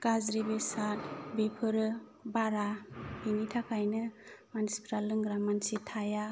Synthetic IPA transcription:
ɡ̥azɾibesat̚bepʰɯɾɯ | baɾabiŋitʰakʰajnɯmanspɾalɯŋɡɾamansitʰaja

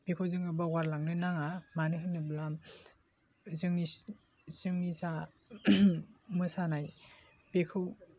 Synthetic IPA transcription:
pekʰɯwzɯŋɯbawaɾlaŋnɯnaŋamanɯɦɯnɯblam | zɯŋi | zɯŋnisa | mɯsanaj | pekʰɯw

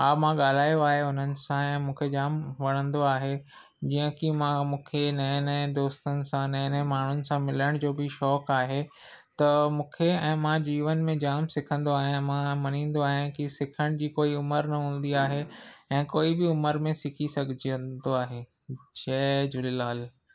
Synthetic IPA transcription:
aːmãɠaːl̤aːjoaːɦeʊn̤ənɪ̆sãɛ̃ːmũːkʰed͡ʑaːmʋɐɽ̤̃ə̃nd̪oaːɦe | d͡ʑiːə̃kimãmũːkʰenɛːned̪oːst̪ənɪ̆sãnɛːnemaːɳ̤ʊnɪ̆sãmɪləɽ̃d͡ʑoːbɪʃɔːkaːɦe | t̪ɐmũːkʰeɛ̃ːmãd͡ʑiːʋənmẽd͡ʑaːmsɪkʰə̃nd̪oaːɦijãmãmɐnĩːn̆d̪oaːɦɪj̃ãkisɪkʰəɽ̃d͡ʑiːkoːiʊməɾnɐɦũːn̆d̪iaːɦeɛ̃ːkoːibɪʊməɾmẽsɪkʰisɐɡʱɪd͡ʑiə̃nd̪oaːɦe | d͡ʑɛːd͡ʑʊlɪlaːl

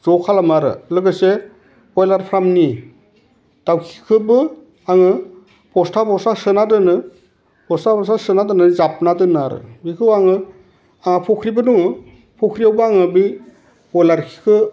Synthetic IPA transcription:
zɔkʰalamaɾɯ̰lɯɡɯse | ɔjlaɾpʰɾamni | d̥awkʰi̥kʰɯbɯ | aŋɯ | pʰɔstʰapʰɔsasɯnadɯnɯ | pʰɔstʰapʰɔsasɯnadɯnɯzap̚nadɯnaɾɯ̰bikʰɯwaŋɯ | aŋapʰɔkʰɾibɯnuŋɯ | pʰokʰɾiawbaaŋɯbi | ɔjlaɾkʰi̥kʰɯ

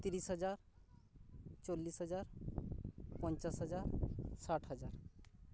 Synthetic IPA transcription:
t̪iɾisɦɔd͡ʒaɾ | t͡ʃolːisɦɔd͡ʒaɾ | pɔnt͡ʃasɦɔd͡ʒaɾsaʈʰɦɔd͡ʒaɾ

